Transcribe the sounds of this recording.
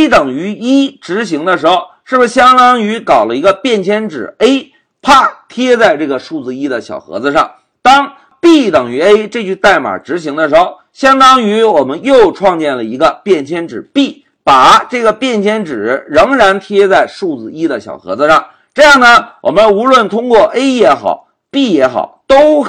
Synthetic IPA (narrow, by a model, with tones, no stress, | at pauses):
e˥ɪt̪ə˨˩ŋy˧˥i˥ʈ͡ʂɻ̩˧˥ɕ̬i˧˥ŋd̪ə˧ʂɻ̩˧˥xʊʂɻ̩˥˩b̩˩˧ɕjɑ˥ŋt̪ɑ˥ŋy˧˥kɑ˨˩ʊlə˦i˧˥ɡə˧pjɛ˥˩nt͡ɕʰjɛ˥nʈ͡ʂɻ̩˨˩e˥ɪ | pʰa˥˩t̪ʰjɛ˥t͡sa˥˧ɪʈ͡ʂɤ˥˩ɡə˩ʂu˥˩d͡zɹ̩˧i˥d̪ə˨ɕjɑ̰˨˩ʊxɤ̰˧˥d͡zɹ̩˧ʂɑ˥˩ŋ | t̪ɑ˥ŋ | pi˥˩t̪ə˨˩ŋy˧˥e˥ɪʈ͡ʂɤ˥˧t͡ɕy˥˧t̪a˥˩ɪma̰˨˩ʈ͡ʂɻ̩˧˥ɕ̬i˧˥ŋd̪ə˧ʂɻ̩˧˥xo˧ʊɕjɑ˥ŋd̪ɑ˥ŋy˧˥wɔ˨˩mə˦njo˥˧ʊʈ͡ʂʰwɑ˥˧ŋt͡ɕjɛ˥˩nlə˩i˧˥ɡə˧pjɛ˥˩nt͡ɕʰjɛ˥nʈ͡ʂɻ̩˨˩pi˥˩ | pa˨˩ʈ͡ʂɤ˥˩ɡə˩pjɛ˥˩nt͡ɕʰjɛ˥nʈ͡ʂɻ̩˨˩ɻɤ˧˥ŋɻa˧˥nt̪ʰjɛ˥t͡sa˥˧ɪʂu˥˩d͡zɹ̩˧˩i˥d̪ə˨ɕjɑ˨˩ʊxɤ̰˧˥d͡zɹ̩˧ʂɑ˥˩ŋ | ʈ͡ʂɤ˥˧jɑ˥˩ŋd̪ə˩wʔɔ̰˨˩mə˦nu˧˥lwə˥˩nt̪ʰʊ˥ŋkwɔ˥˩ʔe˥ɪjɛ˧˥xɑ̰˨˩˦ʊ | pi˥˩jɛ˧˥xɑ̰˨˩˦ʊt̪o˥ʊ